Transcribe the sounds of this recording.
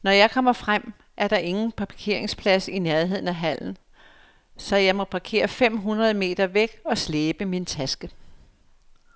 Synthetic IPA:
nɒjɑ̈ɪkʰɒ̽m̰ɐfʁam̰ | ʔæɐɾ̥ɑ̈ʔe̝ŋn̩pʰɑ̈kʰe̝ɐ̰e̝ŋspʰlæsineɐe̝ð̰ˠn̩æɦæl̰n̩ | sɒ̽jɑ̈ɪmɒ̽pʰɑ̈kʰe̝̰ːɐfem̰ɦunʁɐð̞̩ˠəme̝̰ːd̥ɐʋeɡ̥ɒ̽sleːb̥əmint͡sʰæsɡ̥ə

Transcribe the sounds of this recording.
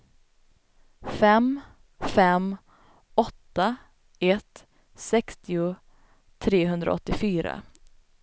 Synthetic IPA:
fɛm | fɛm | ɔt̪ːa | ɛt̪ | sɛkst̪ɪʊ | t̪ʰɾeːɦɵnd̪ɾa̰ɔt̪ːɪfyːɾa̰

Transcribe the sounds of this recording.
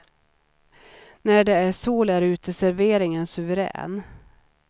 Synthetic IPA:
næɖɛæʂuːlæɾʉ̟ːt̪əsæɾveːɾɪŋənsɵvəɾɛ̰ːn

